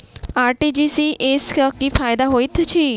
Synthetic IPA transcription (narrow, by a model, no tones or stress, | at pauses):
aːɾʈiːd͡ʒiːsiːʔɪskəkiːpʰaːɪd̪aːɦoːit̪ʰt͡ʃʰiː